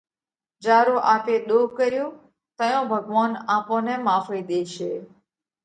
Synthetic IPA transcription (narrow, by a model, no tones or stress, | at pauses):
d͡ʒaːɾoːʔaːpeːɗ̪oːɦkəɾjõː | t̪əjõːbʱəɡʋaːnaːpõːneːmaːfeːɗ̪eːʃeː